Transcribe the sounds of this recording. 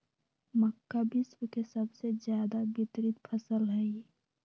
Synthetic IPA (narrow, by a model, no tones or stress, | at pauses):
məkːabɪswəkesəbsed͡ʒjaːd̪abɪt̪ɾɪt̪̚pʰəsəlɦɛi